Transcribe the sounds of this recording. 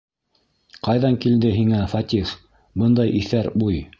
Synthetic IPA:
qɑjðɑŋkild̪ɘɦiŋæfɑt̪ʲif | bɤnd̪ɑjʔiθæɾbuj

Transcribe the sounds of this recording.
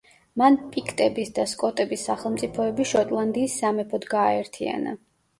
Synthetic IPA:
manpʼikʰt̪ʼɛbisd̪askʼɔt̪ʼɛbisːaχɛlˠmt̪sʼipʰɔɛbiʃɔt̪ʼlˠand̪iːsːamɛpʰɔd̪ɡaːɛɾt̪ʰia̰na̰

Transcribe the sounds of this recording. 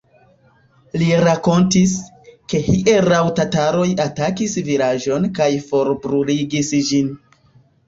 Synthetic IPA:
liɾako̞ntis | ke̞hiʔeɾawtataɾo̞jatakisvilaʒo̞nkajfo̞ɾbɾuliɡisd͡ʒin

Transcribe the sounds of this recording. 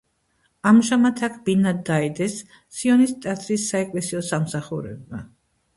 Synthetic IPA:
amʒamat̪ʰakʰbinad̪ːaɛd̪ɛsː | iɔnist̪ʼat̪ʰɾisːaɛkʼlɛsiɔsamsaχuɾɛ̰bma

